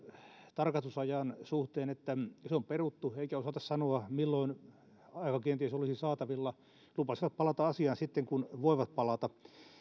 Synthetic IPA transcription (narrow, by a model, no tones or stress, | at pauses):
t̪ɑrkɑst̪usɑjɑnsuht̪eːnet̪ːæseomperut̪ːueikæosɑt̪ɑssɑnoɑmilːoin | ɑikɑkient̪iesolisisɑːt̪ɑʋilːɑ | lupɑsiʋɑt̪̚pɑlɑt̪ɑɑsiɑnsit̪ːeŋkunʋoiʋɑt̪̚pɑlɑt̪ɑ